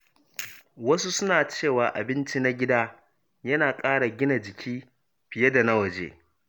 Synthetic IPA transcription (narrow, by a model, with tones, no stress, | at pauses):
wɐ˦su˦sʊ˦naː˨t͡ʃeː˦˨waː˨ʔa̰˨bɪ˦nt͡ʃi˦na˦ɡʲɪ˦daː˦ | jɐ˦naː˨kʼaː˦ɽa˨ɡʲɪ˦na˨d͡ʒɪ˨kʲʰiː˦ | ɸɪ˨je˦da˨na˦wɐ˨d͡ʒḛː˦